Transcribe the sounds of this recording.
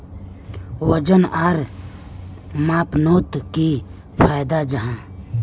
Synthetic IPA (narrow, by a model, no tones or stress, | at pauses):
wəd͡ʒənaːɾ | maːpnoːt̪ki | pʰaːjd̪ad͡ʒəɦãː